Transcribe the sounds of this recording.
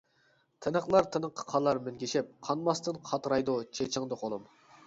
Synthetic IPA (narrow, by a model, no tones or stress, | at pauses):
t̪ʰɪnəχlˠɑɾt̪ʰɪnəqʰːə̥qʰɑlˠːɑɾmɪnɡʲiʃɪp̚qʰɑnmɑst̪ɨnqʰɑt̪ɾɑjd̪ut͡ʃʰet͡ʃʰɪŋd̪əqʰolˠɨm